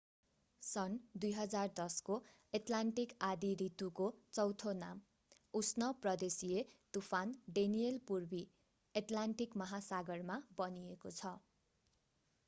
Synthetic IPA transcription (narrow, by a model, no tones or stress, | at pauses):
sʌnd̪ujɦʌd͡zard̪ʌsko | eʈlaɳʈikad̪iɾit̪ukot͡sʌwt̪ʰonam | usnʌprʌd̪esiet̪upʰanɖenijelpurbi | eʈlaɳʈikmʌɦasaɡʌrmabʌniekot͡sʰʌ